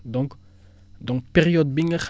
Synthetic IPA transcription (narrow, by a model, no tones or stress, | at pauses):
d̪ɔ̃ŋk | d̪ɔŋpeʁiod̪̚bɪŋəχ